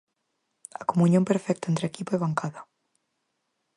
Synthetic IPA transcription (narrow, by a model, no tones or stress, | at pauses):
akomũnjompeɾfɛk̚t̪aent̪ɾekipoeβaŋkaða